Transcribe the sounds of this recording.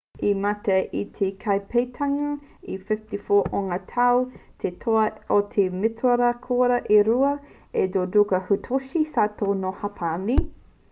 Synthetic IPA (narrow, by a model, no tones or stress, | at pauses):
imɐtɐʔitʰekʰɐjpʰejtʰɐŋɐifɪftifoːʔoŋɐtʰɐwt̪ʰetʰoɐot̪ʰemɪtʰoɾɐkʰoːɾɐʔeɾuɐ | edoːdukɐhutʰoʃisaːtʰoːnohɐpʰani